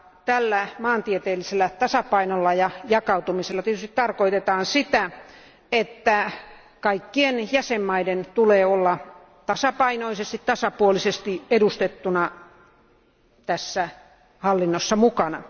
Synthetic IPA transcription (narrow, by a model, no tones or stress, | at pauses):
t̪ælːæmɑːnt̪iet̪eːlːiselːæt̪ɑsɑpɑinolːɑjɑjɑkɑut̪umiselːɑt̪iet̪yst̪it̪t̪ɑrkoit̪et̪ɑːnsit̪æ | et̪ːæ | kɑikːienjæsemːɑident̪uleːolːɑ | t̪ɑsɑpɑinoisest̪it̪t̪ɑsɑpuolisest̪iedust̪et̪ːunɑ | t̪æsːæ | hɑlːinːosːɑmukɑnɑ